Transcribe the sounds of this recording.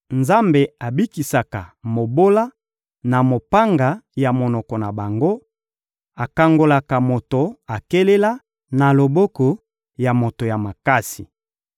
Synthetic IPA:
nza˦mbe˨a˨bi˦ki˨sa˨ka̰˨mo˨bo˦la˦ | na˨mo˨pa˦ŋɡa˨ja˨mo˨nɔ˨kɔ˨na˨ba˨ŋɡo˦ | a˨ka˨ŋɡo˨la˨ka˨mo˨to˨a˨ke˦le˦la˦ | na˨lo˨bɔ˦kɔ˨ | ja˨mo˨to˨ja˨ma˨ka˦sḭ˨

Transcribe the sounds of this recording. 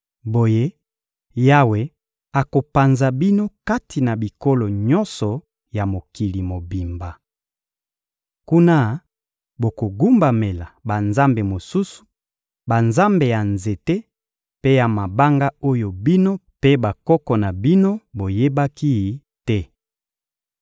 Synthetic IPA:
bo˨je˦ | ja˦we˨˦ | a˨ko˨pa˨nza˨bi˦no˦ka˦ti˨na˨bi˨ko˦lo˨ɲɔ̃˦nsɔ˨ | ja˨mo˨ki˨li˨mo˨bi˨mba˨ | ku˦na˦ | bo˨ko˨ɡu˦mba˨me˨la˨ba˨nza˦mbe˨mo˨su˦su̥˨ | ba˨nza˦mbe˨ja˨nze˨te˦ | pe˦ja˨ma˨ba˦ŋɡa˦o˦jo˨bi˦no˦pe˦ba˨kɔ˦kɔ˨na˨bi˦no˦bo˨je˦ba˦ki˦˨ | tɛ˦

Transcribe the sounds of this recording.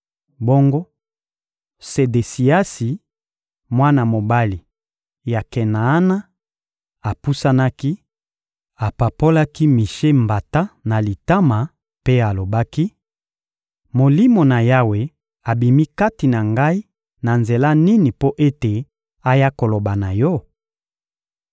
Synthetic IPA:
bo˦ŋɡo˦ | se˨de˨si˨a˦si˨ | mwa˦na˨mo˨ba˦li˨ | ja˨ke˨na˨a˦na˦ | a˨pu˦sa˦na˦ki˦ | a˨pa˨po˦la˦ki˦mi˨ʃe˦mba˨ta˦na˨li˨ta˦ma˨ | pe˦a˨lo˨ba˦ki˦ | mo˨li˦mo˨na˨ja˦we˨ | a˨bi˨mi˦ka˦ti˨na˨ŋɡa˦i˦ | na˨nze˨la˦ni˦ni˨po˦ʔe˦te˨ | a˦ja˦ko˨lo˨ba˨na˨jɔ˦

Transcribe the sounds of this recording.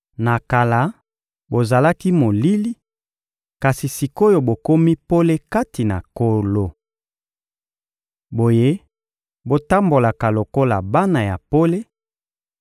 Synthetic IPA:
na˨ka˨la˦ | bo˨za˨la˦ki˦mo˨li˦li˦ | ka˨si˨si˨ko˦jo˨bo˨ko˦mi˦po˦le˦ka˦ti˨na̰˨ko˨lo˨ | bo˨je˦ | bo˨ta˦mbo˨la˨ka˨lo˨ko˦la˨ba˦na˨ja˨po˦le˦

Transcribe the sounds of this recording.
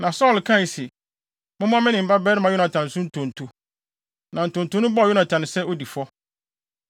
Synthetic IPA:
nã˨sɔː˦˨lkʰã˦˨sɪ˨ | mʊ̃˦m̃˦ã˦mɪ̃˦nɪ̃˨m̩˦ba˦bɛː˦ɾɪ˦mã˨jʊ˦nã˨tʰã˨nɪ̃˨sʊ̃˦n̩˦tʰõ˨n̩˨tʰu˨ | nʔã˨n̩˨tʰʊ̃˨n̩˨tʰʊ˨˦nʊ̃˦bɔ˦˨ʊ˦nã˨tʰa˨nɪ̃˨sɛ˦o˦di˨fɔ˦

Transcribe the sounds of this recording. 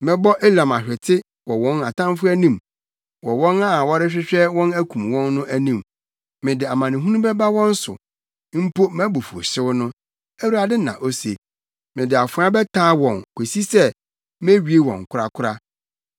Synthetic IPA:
mɪ̃˦bɔ˦ʔe˦lã˨ma˨ɕᶣɛ˨tʰɪ˦ | wɔ˨wɔ̃˦na˨tã˦m˦fʊ˦æ˦nĩ˦m | wɔ˨wɔ̃˦na˦wɔ˦ɾɪ˦ɕᶣɪ˦ɕᶣɛ˦wɔ̃˦næ˦kʰũ˨mwɔ̃˦nːʊ̃˦ʔæ˦nĩ˨m | mɪ̃˨dɪ˨a˨mã˨nɪ̃˨ɦu˦nũ˦bɛ˦ba˦wɔ̃˦n̩˦sʊ̰˨ | m̩˦pʰo˦mæ˦bo˨fu˨o̰˨ɕɪ˦wʊ˦nʊ̃˦ | æ˦wu˦a˨dɪ˦nã̰˨ʔo˦sḛ˨ | mɪ̃˨dɪ˨a˨fʊ˨˦a˦bɛ˦tʰaː˦wɔ̃˨nkʰʷe˨si˦sɛ˦ | me˦ɥi˨e˦wɔ̰̃˨ŋ˨kʰʊ˦ɾa˦kʰʊ˦ɾa˦

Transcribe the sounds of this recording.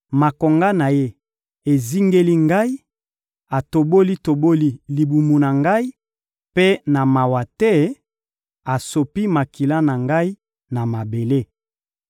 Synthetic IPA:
ma˨ko˨ŋɡa˦na˨je˦ | e˨zi˦ŋɡe˦li˦ŋɡa˦i˦ | a˨to˨bo˦li˦to˨bo˦li˦li˨bu˨mu˨na˨ŋɡa˦i˦ | pe˦na˨ma˨wa˨tɛ˦ | a˨so˨pi˦ma˨ki˨la˦na˨ŋɡa˦i˦ | na˨ma˨be˨le˦˨

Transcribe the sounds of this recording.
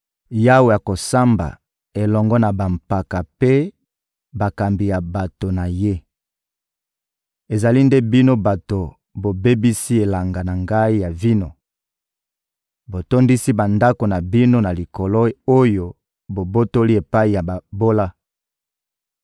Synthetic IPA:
ja˦wo˨ja˨ko˨sa˦mba̰˨ | e˨lɔ˨ŋɡɔ˦na˨ba˨mpa˨ka˨pe˦ | ba˨ka˨mbi˨ja˨ba˨to˨na˨je˦ | e˨za˨li˦nde˦bi˦no˦ba˨to˨ | bo˨be˦bi˦si˦e˨la˨ŋɡa˨na˨ŋɡa˦i˦ja˨vi˦no˨ | bo˨to˦ndi˦si˦ba˨nda˦ko˨na˨bi˦no˦na˨li˨ko˨lo˦o˦jo˦ | bo˨bo˦to˦li˦e˨pa˦i˨ja˨ba˨bo˦la˦

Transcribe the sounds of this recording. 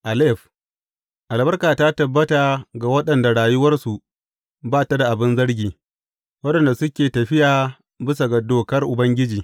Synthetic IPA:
ʔa˨lɛ˦˨ɸ | ʔa˨lbɐ˦rkaː˨ta˦tɐ˨bːɐ˦ta˨ɡa˨wɐ˦ɗɐ˨nda˨ɽaː˨jʊ˦wɐ˦rsu˨ | baː˦ta˦da˨ʔa˨bɪ˦nzɐ˦ɽɡʲiː˨ | wɐ˦ɗɐ˨nda˨sʊ˦kʲeː˨tɐ˨ɸɪ˦jaː˨ | bɪ˦sa˨ɡɐ˨doː˨kɐ˦rʔʊ˨bɐ˦ŋɡʲɪ˦d͡ʒiː˨

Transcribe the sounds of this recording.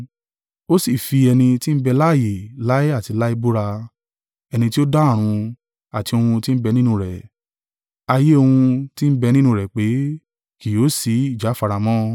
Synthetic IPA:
o˦si˦˨fi˧ɛ˧nĩ˧ti˦n̩˦bɛ˧la˦˨je˨la˦i˦a˦˨ti˨˧la˦i˦bu˦ɾa˧ | ɛ˧nĩ˧ti˦o˦da˦a˦˨ɾ̃ũ˧ | a˨ti˧o˧hũ˧ti˦n̩˦bɛ˧nĩ˦nũ˧ɾɛ˨ | a˧je˦o˧hũ˧ti˦n̩˦bɛ˧nĩ˦nũ˧ɾɛ˨k͡pe˨˦ | ki˨o˨˦si˨˧˦i˦˨d͡ʒa˨˦fa˧ɾa˧mɔ̃˦

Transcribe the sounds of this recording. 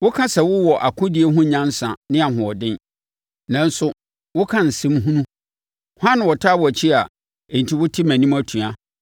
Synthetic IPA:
wʊ˦kʰã˦sɛ˨wʊ˦wɔ˨ʔa˨kʰʊ̃˦dɪ˨e˦ɦʊ̃˦ɲã˦n˦sã̰˨nɪ̃˦a˨ɦʊ̃˨ɔ˨dɪ̃˦n | nã˨n˦sʊ˦ | wʊ˦kʰã˦n̩˨sɪ̃˦mɦũ˦nũ˦˨ | hã˦ñ˨wɔ˨tʰaː˦wɔ˨æ˨t͡ɕʰi˦a˨ | e˨ɲ̩˨tʰi˦wʊ˦tʰɪ˦mæ̃˨nĩ˦ma˦tʰũ˨a˦

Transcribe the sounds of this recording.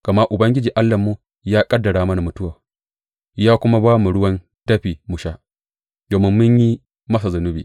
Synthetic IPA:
ka˨ma˦ʔʊ˨bɐ˦ŋɡʲɪ˦d͡ʒiː˨ʔa˦lːɐ˨mːu˦ | jaː˦kʼɐ˦dːɐ˨ɽaː˨mɐ˦na˨mʊ˨tʊ˦waː˨ | jaː˦kʷʊ˦ma˦baː˦mu˨ɽʊ˦wɐ˦n | tɐ˦ɸiː˨mʊ˨ʃaː˦ | doː˨mɪ˦mːʊ˦ɲji˦ | mɐ˦s̬a˨zʊ˨nʊ˦biː˨

